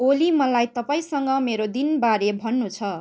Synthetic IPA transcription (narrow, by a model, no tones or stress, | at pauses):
olimʌlajt̪ʌpaĩsʌŋɡʌmeɾod̪inbaɾebʱʌnːut͡sʰʌ